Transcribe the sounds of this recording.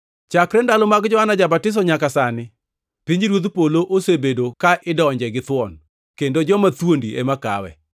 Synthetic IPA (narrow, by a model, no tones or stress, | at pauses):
t͡ʃakɾɛndalomaɡd͡ʒɔɦanad͡ʒabatɪs̬ɔɲakasanɪ | piɲd͡ʒɾwot̪̬poloʔosebedokaʔɪdɔɲd͡ʒɛɡɪt̪wɔn | kendod͡ʒɔmat̪wondiḛmaka̰wɛ̰